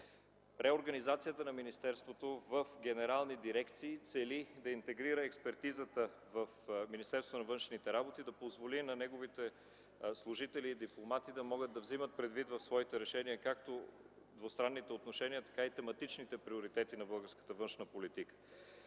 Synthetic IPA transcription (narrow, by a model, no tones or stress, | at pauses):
ɾɛoɾɡɐnizat̪sijət̪ənɐminist̪ɛɾst̪vot̪ovəfɡɛnɛɾalˠnid̪iɾɛkt̪siːt̪sɛlid̪ɐint̪ɛɡɾiɾəɛkspɛɾt̪izət̪ə | vəfminist̪ɛɾsvot̪onɐvɤnʃnit̪ɛɾabot̪id̪ɐpozvolinɐnɛɡovit̪ɛ | slˠuʒit̪ɛliːd̪iplˠomat̪id̪ɐmɔɡəd̪d̪ɐvzimət̪̚pɾɛd̪vit̪vɐfsvɔit̪ɛɾɛʃɛniəkak̚t̪o | d̪vost̪ɾanːit̪ɛot̪noʃɛniət̪ɐ̥kait̪ɛmɐt̪it͡ʃnit̪ɛpɾioɾit̪ɛt̪inɐbɤlˠɡəɾskə̥t̪əvɤnʃnəpolit̪ikə̥